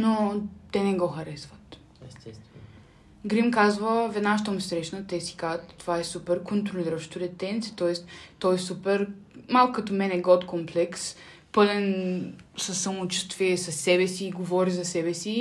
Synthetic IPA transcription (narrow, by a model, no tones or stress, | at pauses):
not̪ɛnɛɡɔxɐɾɛsvət̪ | ɛ | ɡɾimkazvəvɛd̪naʃt̪əmusʲsɾɛʃnət̪ɛsi̥kazət̪ːovaɛsupɛɾkont̪ɾoliɾəʃt̪ʊɾɛt̪ɛnt̪siət̪ɔɛst̪t̪ɔɛsupɛɾmalˠkʊkɐt̪omɛnɛɡɔt̪komplɛks | pɤlɛnsɐsːɐmot͡ʃu̥st̪viɛsɐsːɛbɛsiːɡovɔɾizɐsɛbɛsi